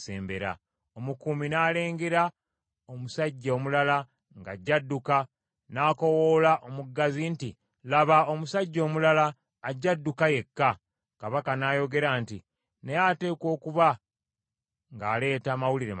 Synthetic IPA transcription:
sḛːmbeɾa̰ | o̞mukuminaːle̞ːŋɡeɾa | omusaɟːaːmulala | ŋɡa̰ɟːadːuka | naːko̞woːlaʔomuɡːazinti | laβao̞musaɟːo̞ːmulalaː | ɟːadːukaje̞kːa | kaβakanaːjo̞ɡe̞ɾaːnti | nejate̞ːkwo̞ːkuβa | ŋɡaːle̞ːtaːmawuliɾḛ

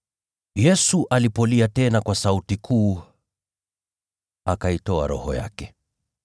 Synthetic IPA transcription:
jɛsuʔalipɔliatɛnakwasautikʰuː | akaitɔa̰ɾɔ̰hɔ̰ja̰kɛ

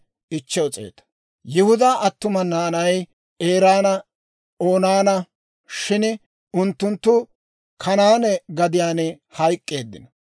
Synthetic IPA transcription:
ʔɪt͡ʃːɛʊt͡sʼḛːt̪ɐ̥ | jɪhʊd̪aːʔɐt̪ːʊmɐnaːnɐj | e̞ːɾaːnɐ | o̞ːnaːnɐ | ʃɪn | ʊnt̪ːʊnt̪ːʊ | kʰɐnaːnɛɡɐd̪ɪjaːn | hɐjkʼːe̞ːd̪ːɪ̰nɐ

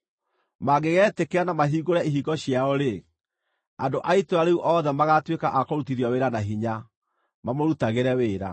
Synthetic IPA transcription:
maɡeɣɛːtekeanamaɦiːɣoɾaiɦiɡɔɕjaɔɾe | andoʔaitoaɾeuʔɔðɛmaɣatwekaʔakoɾutiɾiɔweɾanaɦiɲa | mamoɾutaɣeɾɛweːɾa̰

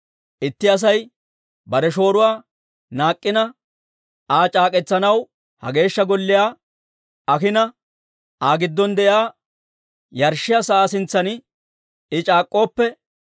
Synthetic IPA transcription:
ʔɪt̪ːɪɐs̬ɐj | bɐɾɛʃo̞ːɾʊwaː | naːkʼːɪnɐ | aːt͡ʃʼaːkʼɛt͡sːɐnɐw | hɐ̰ɡe̞ːʃːɐɡɔlːɪjaː | ɐkɪnɐ | aːɡɪd̪ːɔnd̪ɛʔjaː | jɐɾʃːɪjasɐʔaːsɪnt͡sːɐn | ɪt͡ʃʼaːkʼːo̞ːpːɛ

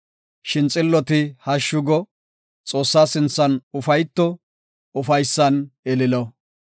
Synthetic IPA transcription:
ʃɪnt͡sʼɪlːɔt̪ɪhɐʃːʊɡɔ | t͡sʼo̞ːsːaːsɪnt͡sːɐnʊfɐjt̪ːɔ | ʊfɐjsːɐnɛlɪlɔ

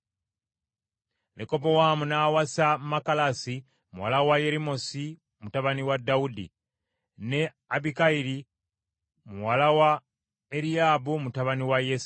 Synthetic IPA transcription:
neko̞p̬owamunaːwasamakalasi | muwa̰lawaje̞ɾimo̞si | mutaβaniwadaudḭ | ne̞ | abikaiɾi | muwalawa | eɾiaːbumutaβaniwajes

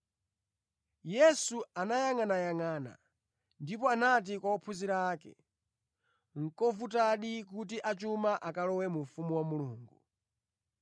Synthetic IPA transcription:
jɛsuanajaŋanajaŋaːna̰ | ndipɔanat̬ikwaɔpʰuziɾaːkɛ̰ | ŋ̩kɔvutaɗik̬ut̬iʔat͡ʃumaʔakalɔwɛmuɱfumuwamuluːŋɡu

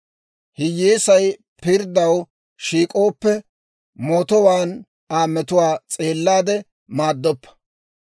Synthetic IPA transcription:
hɪjeːsɐj | pɪɾd̪ɐw | ʃiːkʼo̞ːpːɛ | moːt̪ɔwaːn | aːmːɛt̪ʊwaːt͡sʼe̞ːlːaːd̪ɛ | maːd̪ːɔpːɐ̥

